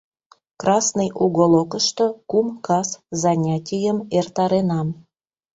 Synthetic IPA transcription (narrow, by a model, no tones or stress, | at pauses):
krɑsnəjʔuɣolokəʃt̪okumkɑszɑnʲatʲijəmert̪ɑɾenɑm